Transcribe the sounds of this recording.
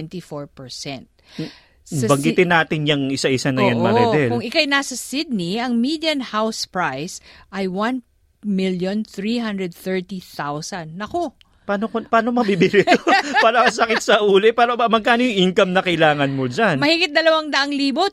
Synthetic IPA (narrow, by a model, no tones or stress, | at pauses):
nt̪ifoɹpɛɹsɛ̰nt̪̚ | sɐbɐŋɡɪt̪ɪnːaːt̪ɪnjɐŋʔɪsaʔɪsanɐjanmɐɾɛɛlkʊŋɪkajnasɐsɪd̪̚niɐŋmid̪jɐnhawspɹajsʔɐjwɐn | miljõnθɹiɦɐnd̪ɹɛd̪̚θɛɹt̪iθawsɐnːɐko | paːnokopaːnomɐbibɪlɪt̪opaːnɐɐsɐkɪsɐʔuːlopaːɾoɐmɐɡ̚kaːnojʊŋʔiŋkɐmnɐkɐɪlaːŋɐnmod͡ʒanmɐhiɡɪt̪̚d̪ɐlɐwaŋd̪ɐʔɐŋliːbo